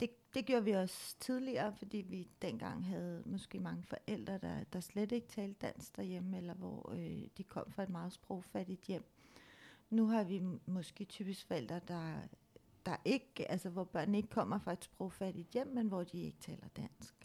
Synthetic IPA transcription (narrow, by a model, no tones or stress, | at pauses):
d̥e̝d̥e̝ɡ̥jo̝ːɐʋiɒ̽st͡sʰið̞ˠliɐːfɒ̽d̥ḭːʋid̥en̰ɡ̥ɑ̈ŋ̰ɦæð̞̩ˠmɒ̽sɡ̥e̝̰ːmɑ̈ŋəfɒ̽ʔel̰d̥ʁɐd̥ɑd̥ɑ̈sled̥e̝ɡ̥ət͡sʰɛːld̥̚ːæn̰sɡ̥̚d̥ɑjeməelɐʋɒ̰d̥ikʰɒ̽m̰fʁɑ̈e̝d̥mɑ̈ːð̞̩ˠsb̥ʁoʊfæɾ̥id̥jem̰ | nuɦɑ̈ʋimɒ̽sɡ̥e̝̰ːt͡sʰyːb̥isɡ̥fɒ̽el̰d̥ʁɐd̥ɑ̈ | d̥ɑ̈ʔe̝ɡ̥ælsəʋɒb̥ɶɐ̰nəe̝ɡ̥ə̥kʰɒ̽m̰ɐfʁɑ̈e̝d̥sb̥ʁoʊfæɾ̥id̥jem̰ːenʋɒd̥ie̝ɡ̥ət͡sʰɛ̰ːlɐd̥æn̰sɡ̥